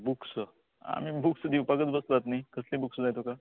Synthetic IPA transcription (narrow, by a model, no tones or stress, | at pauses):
buks | a̰mibuksd̪iwpaɡət͡sbəsd͡zat̪naikəslĩːbuksd͡zajt̪oka